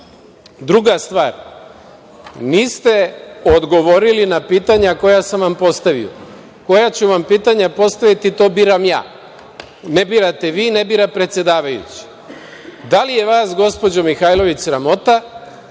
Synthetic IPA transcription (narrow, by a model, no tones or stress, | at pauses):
d̪ɾuɡast̪ʋaːɾ | niːst̪e̞od̪ɡo̞ʋo̞ɾilinapiːt̪aɲako̞jasamʋampo̞st̪aʋḭo̰ | ko̞jat͡ɕuʋampiːt̪aɲapo̞st̪aʋit̪it̪o̞ːbiːɾamja̰ː | nebiːɾat̪e̞ʋiːnebiːɾapɾe̞t̪sʲje̞d̪aːʋajṵt͡ɕi̥ | d̪alije̞ʋaːsɡo̞spo̞d͡ʑo̞mixaːjlˠo̞ʋit͡ɕsɾamo̞t̪a